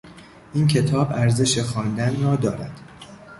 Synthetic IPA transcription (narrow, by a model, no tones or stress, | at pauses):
ʔiːncʰe̞t̪ʰɒːbæɾze̞ʃexɒːnd̪ænrɒːd̪ɒːɾæd̪̥